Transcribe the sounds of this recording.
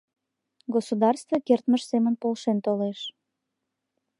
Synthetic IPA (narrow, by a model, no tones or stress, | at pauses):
ɡosud̪ɑrst̪vokert̪məʃsemənpolʃent̪oleʃ